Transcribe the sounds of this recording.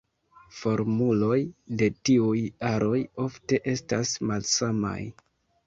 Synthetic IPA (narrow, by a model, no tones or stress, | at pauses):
fo̞ɾmulo̞jde̞tiujaɾʔo̞jo̞fte̞ʔe̞stasmalsama̰j